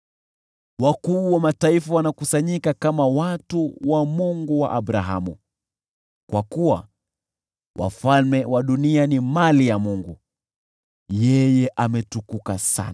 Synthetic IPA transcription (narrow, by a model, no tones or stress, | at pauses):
wakuːwamataifawanakusaɲikakamawatuwamuŋɡuwa̰ʔaɓɾaɦamṵ | kwakuwa̰ | wʔa̰falmɛwaɗunianimalijamuŋɡu | jɛjɛʔamɛtukukasa̰n